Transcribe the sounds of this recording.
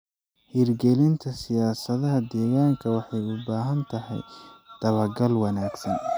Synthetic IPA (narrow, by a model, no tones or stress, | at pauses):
hiːrɡɛlɪnt̪ʰɐsɪjaːsɐðɐɦɐd̪ɛːɣaːŋkʰɐwɑħɑjʊbaːɦɐnt̪ʰɐɦɛ̰jd̪̥ɐβɐrɡɐlwɑnaːɡsɐn